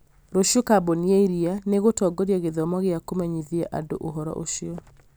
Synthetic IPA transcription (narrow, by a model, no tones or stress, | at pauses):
ɾoʃjɔkabonieiɾianeɣotɔɡoɾjaɣeðɔmɔɣeakomɛɲiðjaʔa̰do̰ʔoɦɔɾɔ̰ʔo̰ʃiɔ